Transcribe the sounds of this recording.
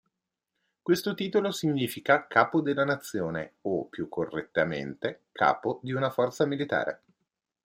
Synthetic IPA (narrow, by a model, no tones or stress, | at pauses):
kwest̪ot̪iːt̪olosiɲːiːfikakʰaːpod̪elːanat̪sːjoːnḛopːjukʰːorːḛt̪ːamḛnt̪ekʰa̰ːpod̪iunafɔrt̪samilit̪a̰ːɾḛ